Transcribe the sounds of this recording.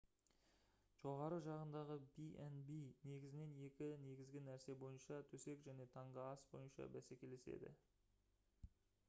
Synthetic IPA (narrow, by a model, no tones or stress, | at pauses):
ʒ̥o̞ʁɑɾəʒɑʁənd̪ɑʁəbiʔenbijne̞ɡʲɪzɪne̞ne̞kʲɪne̞ɡʲɪzɡʲɪnæɾse̞bo̞jənʃɑt̪ʰɵse̞kʒæne̞t̪ʰɑɴʁəɑsbo̞̰jənʃɑ̰bæsekʲe̞lɪse̞̰d̪ɪ̰